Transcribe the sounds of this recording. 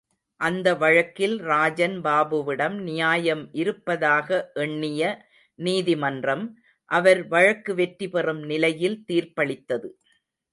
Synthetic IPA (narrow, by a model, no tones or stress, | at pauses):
ʔɐnd̪ɐʋɐɻɐkːɪlɾaːd͡ʒɐnbaːbɯʋɪɽɐmnɪjaːjɐmʔɪɾɯpːɐðaːɣɐʔɛɳːɪjɐ | niːðɪmɐndrɐm | ʔɐʋɐɾʋɐɻɐkːɯʋɛʈɾipɛrɯmnɪlɐjɪlt̪iːɾpɐɭɪt̪ːɐðɯ